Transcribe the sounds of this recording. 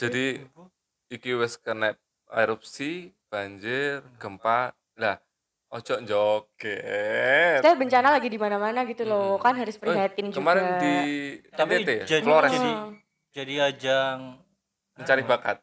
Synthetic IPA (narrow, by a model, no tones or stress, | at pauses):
d͡ʒadi | ikiwɛskənɛp̪̚ | a̰iɾɔp̚sib̥aɲd͡ʒɪrɡəmpat̪̚lah | ɔt͡ʃɔɲd͡ʒɔkɛ | sajabəɲt͡ʃanalaɡidimanamanaɡit̪ulokanɦaɾʊspərat̪ɪnd͡ʒkəmaɾɪndit̪aed͡ʒafloɾɛadi | d͡ʒadiad͡ʒaŋ | məɲt͡ʃaɾibakat̪̚